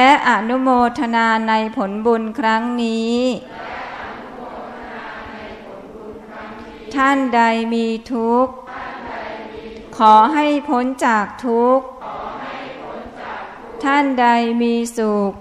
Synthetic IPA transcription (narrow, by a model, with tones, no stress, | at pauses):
lɛ˦˥ʔa˨˩nu˦˥moː˧t̪ʰa˧naː˧na˧jpʰo˩˦nbu˧nkʰɾa˦˥ŋniː˦˥ | t̪ʰa˥˩nda˧jmiː˧t̪ʰu˦˥k̚ | kʰːɔː˩˦ɦa˥˩jpʰo˦˥nt͡ɕaː˨˩k̚t̪ʰu˦˥k̚ | t̪ʰa˥˩nda˧jmiː˧suː˨˩k̚